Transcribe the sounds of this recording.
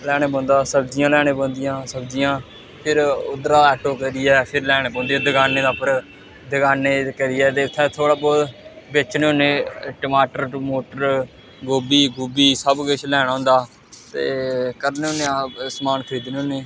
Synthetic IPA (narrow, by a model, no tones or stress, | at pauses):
lɛːɽ̃eːbõːnd̪aːsəbd͡ʒɪjãːlɛːɽ̃ẽːbõːnd̪ɪjãːsəbd͡ʒɪjãː | pʰɪɾʊd̪ɾaːɛːʈoːkəɾɪjɛːpʰɪɾlɛːɽeːbõːnd̪ijãːd̪ɪɡaːneːd̪aːpəɾ | d̪əɡaːneːkəɾɪːɛːt̪̬eːt̪ʰːɛ̃ːt̪ʰoːɽaːbɔːd̪ | beːt͡ʃneːoneːʈəmaːʈəɾmoːʈəɾ | ɡoːbiːɡubiːsəbɡəʃʰlɛːɽ̃aːɦoʊ̃ːnd̪aː | t̪ḛːkəɾneːonːeːãsmaːnkʰəɾiːd̪neːõːneː